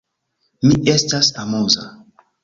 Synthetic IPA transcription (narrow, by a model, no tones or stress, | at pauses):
miʔestasamuza̰